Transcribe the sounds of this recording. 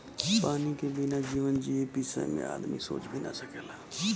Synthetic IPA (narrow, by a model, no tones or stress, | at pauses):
paːnikebɪnad͡ʒiːʋənd͡ʒiːepisə̰mḛ̃a̰ːd̪mḭso̰ːt͡ʃbʱina̰səkeːlaː